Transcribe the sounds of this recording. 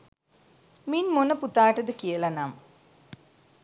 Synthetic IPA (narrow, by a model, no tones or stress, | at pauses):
minmonəput̪aːʈəd̪əkijəlɐnam